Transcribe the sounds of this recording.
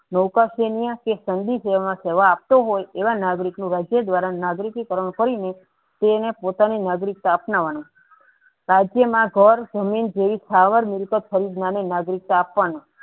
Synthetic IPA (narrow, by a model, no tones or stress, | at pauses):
nəwkaʃenijakesənd̪iseʋamãseʋaːp̚t̪oɦojeʋanaɡɾiknũɾad͡ʒjəd̪ʋaɾanaɡɾikikəɾəɳ̃kəɾine | t̪enepot̪aninaɡɾik̚t̪aːpnaʋanu | ɾad͡ʒjəmãɡʱəɾd͡ʒəmind͡ʒeʋisaʋəɾmɪɾkət̪̚fʰəɾid̪nanenaɡɾik̚t̪aːpʋano